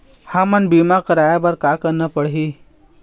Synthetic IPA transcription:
hãmənbimakəɾaːjabəɾkakəɾnəpəɽɦi

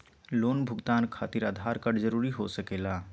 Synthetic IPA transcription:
lonbʱʊɡt̪ankʰat̪iɾad̪ʱaɾkəɽd͡ʒəɾuɾiɦosəkela

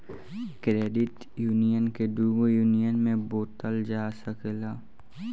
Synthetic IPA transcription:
kɾeːɖɪʈ | juːnijənked̪uːɡojuːnijənmẽboːt̪əld͡ʒaːsəkelaː

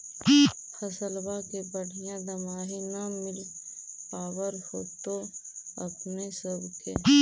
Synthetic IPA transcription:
xɐsəlbakebəɽ̤ʱijãd̪ɐmaːɦinɐmɪlpaːwəɾhoːt̪oɐpnesəbke

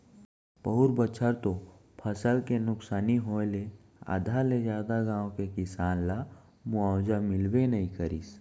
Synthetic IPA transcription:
pəɦʊɾbət͡ʃʰəɾt̪o | pʰəsəlkenʊksaːniɦoːle | a̰ːd̪ʱaled͡ʒjaːd̪aɡãːõkekɪsaːnla | muaːwd͡ʒamɪlwenəɦĩkəɾiːs

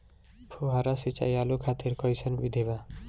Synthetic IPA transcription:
pʰuɦaɾasit͡ʃa̰jalukʰat̪iɾkɔjsənbid̪ʱiβa

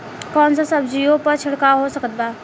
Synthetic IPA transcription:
kɔːnsasəbd͡ʒiːõpɐɾt͡ʃʰɪɽkaɦosəkət̪̚baː

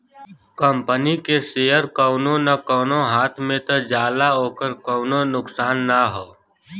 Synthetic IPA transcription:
kəmpənikeseːjəɾkɔːnõnakɔːnoɦaːt̪ʰmẽt̪od͡ʒaːlaɦoːkəɾkɔːnõnʊksaːnːaɦoː

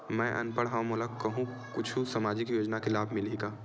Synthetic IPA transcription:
mɛ̃ʔɐ̰npəɽɦamoləkkəɦũ | kʊt͡ʃʰusəmaːd͡ʒɪkjoːd͡ʒnakelaːbʱmɪliɡaː

